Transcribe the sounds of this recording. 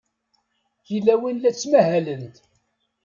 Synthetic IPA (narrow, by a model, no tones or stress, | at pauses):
θilæwinlæt͡sːmæhælənt̪